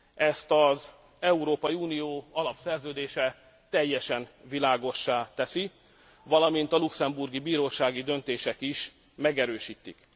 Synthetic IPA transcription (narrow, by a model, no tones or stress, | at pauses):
ɛst̪ɒz | ɛuɾoːpɒjiuːnijoːɒlɒpsɛrzøːd̪eːʃɛ | t̪ɛjːɛʃɛnvilaːɡo̞ʃːaːt̪ɛsi | vɒlɒmint̪ɒluksɛmburɡibiːɾoːʃaːɡid̪ø̞nt̪eːʃɛkiʃ | mɛɡɛɾøːʃiːt̪ːik